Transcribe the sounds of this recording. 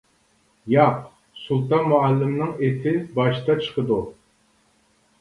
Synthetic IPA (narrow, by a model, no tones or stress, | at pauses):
jɑq | sulˠt̪ɑnmuælːɪmnɨŋet̪ʰɪbɑʃɨt̪ɑt͡ʃʰə̥qʰəd̪u